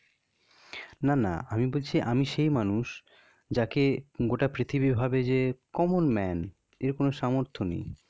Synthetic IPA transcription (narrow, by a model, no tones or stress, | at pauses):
nana̰amibolt͡ɕʰiʔamiʃejmanuʃ | d͡ʑakeɡoʈapɾit̪ʰibibʱabed͡ʑekɔmonmɛn | eɾkonoʃamoɾt̪ʰonḛj